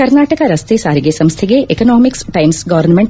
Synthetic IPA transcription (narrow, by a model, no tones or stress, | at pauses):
ɐɾnaːʈəkaɾɐst̪esaːɾiɡesɐ̃mst̪ʰeɡeʔekonɔːmɪksʈaɪmsɡɐʋəɾnmẽɳʈ